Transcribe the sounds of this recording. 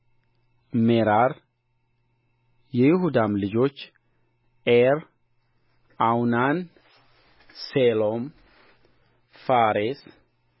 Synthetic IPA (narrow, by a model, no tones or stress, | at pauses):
meɾaɾ | jɛjɪhud̪amlɨd͡ʒo̞t͡ʃː | ʔeɾ | awnan | selom | faɾes